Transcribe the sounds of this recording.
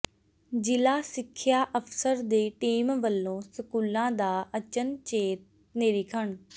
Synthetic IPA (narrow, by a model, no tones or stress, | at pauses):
d͡ʒɪlaːsɪkʰːjaːʔəfʰsəɾd̪eːʈiːmʋəlːõːsɪkuːlãːd̪aːʔət͡ʃənt͡ɕeːt̪̚ | neːɾikʰəɳ